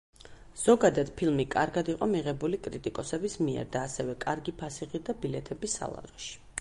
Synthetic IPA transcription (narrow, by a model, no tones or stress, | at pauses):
z̥ɔɡad̪ad̪̥pʰilˠmikʼaɾɡad̪iqʼɔmiʁɛbulikʼɾit̪ʼikʼɔsɛbismiɛ̰ɾd̪aːsɛvɛkʼaɾɡipʰasiʁid̪abilɛt̪ʰɛbisa̰lˠa̰ʁɛʃi̥